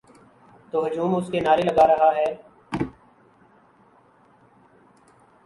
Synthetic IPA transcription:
t̪oːɦʊd͡ʒuːmʊskeːnaːɾeːləɡaːɾəɦaːɦɛː

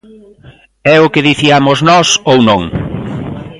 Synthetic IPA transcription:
ɛʊkɪðiθiamʊznɔsownõŋ

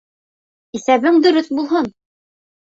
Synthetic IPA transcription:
isæβɘŋd̪ɵ̆ɾɵθbulˠɦɤn

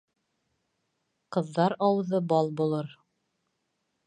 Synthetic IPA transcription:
qɤ̆ðːɑɾɑwðɤbɑlˠbulˠɤɾ

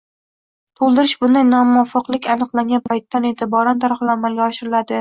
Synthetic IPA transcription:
t̪ʰolˠd̪ɪɾɪʃbʊnd̪ajnɒmʊɒfɑqlˠɪkʲanɨqlˠaŋɡʲanpʰajt̪ʰːane̞t̪ʰɪbɒɾant̪ʰaɾɨχɨlamalɡʲaɒʃɪɾɪlad̪ɪ

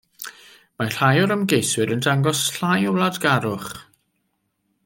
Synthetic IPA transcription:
maɬajɔɾəmɡejswɪɾəndaŋɡɔsɬajɔwlˠadɡaɾʊχ

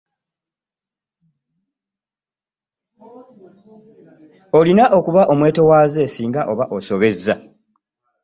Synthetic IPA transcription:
o̞linaʔo̞kuβaʔo̞mwe̞ːto̞waːze̞siːŋɡaʔo̞βaʔo̞so̞βe̞zːa

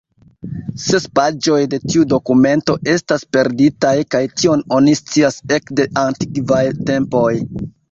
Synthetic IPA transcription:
se̞spad͡ʒo̞jde̞tiudo̞kume̞nto̞ʔe̞staspe̞ɾditajkajtio̞no̞nist͡siase̞kde̞ʔanti̥kvajte̞mpo̞j

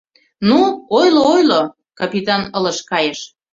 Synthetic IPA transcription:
nuojloojlo | kɑpit̪ɑnə̆lə̆ʃkɑjeʃ

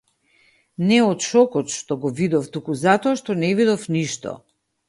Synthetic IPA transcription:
nɛɔt̪ʃɔkɔt̪ʃt̪ɔɡɔvid̪ɔft̪ukuzat̪ɔaʃt̪ɔnɛvid̪ɔfniʃt̪ɔ̰

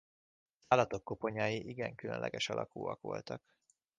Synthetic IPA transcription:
zaːlːɒt̪o̞kːopo̞ɲaːjiʔiɡɛŋkylø̞̰nlʔɛ̰ɡɛʃɒlʔɒkuːɒ̰ko̰lt̪ɒk

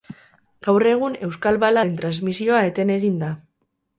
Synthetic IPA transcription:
ɡ̥awre̞ɣ̞une̞wskalβalaent̪ɾanzmisio̞ae̞t̪e̞ne̞ɣind̪a

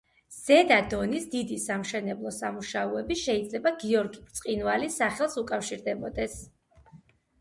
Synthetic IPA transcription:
z̥ɛd̪ad̪ɔnisd̪id̪isamʃɛnɛblˠɔsamuʃauɛbiʃɛid̪zlɛbaɡiɔɾɡibɾt̪sʼqʼinvalisaχɛlˠsukʼafʃiɾd̪ɛbɔd̪ɛs

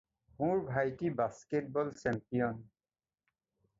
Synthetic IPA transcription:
muɹbʱajtibasket̚bɔlsɛmpijɔn

